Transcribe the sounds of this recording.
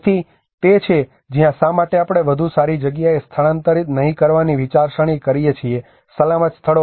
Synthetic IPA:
t̪ʰi | t̪et͡ʃʰe | d͡ʒijãsãmaʈeapɽ̃eʋəd̪ʱusaɾid͡ʒəɡjaest̪ʰəɭãnt̪əɾit̪nəɦĩkəɾʋaniʋit͡ʃaɾʃəɽ̃ikəɾijet͡ʃʰie | səlamət̪st̪ʰəɭo

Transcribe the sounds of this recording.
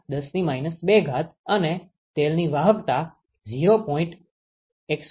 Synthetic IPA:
d̪əsnimainəsbeɡʱat̪əne | t̪elniʋaɦəkt̪a | d͡ʒiɾopɔĩɳʈ | eks

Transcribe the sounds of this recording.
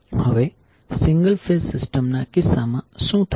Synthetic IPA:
həʋe | sɪ̃ŋɡəlfʰelsɪsʈəmnakɪsamãsũt̪ʰ

